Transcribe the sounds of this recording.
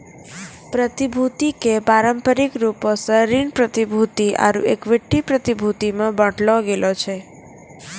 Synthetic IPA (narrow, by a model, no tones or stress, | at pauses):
pɾət̪ibʱut̪ikepaɾəmpəɾikɾuposəɾiɳpɾət̪ibʱut̪iʔa̰ɾṵʔekʋɪʈːipɾət̪ibʱut̪imãbə̃ʈlõɡelot͡ʃʰe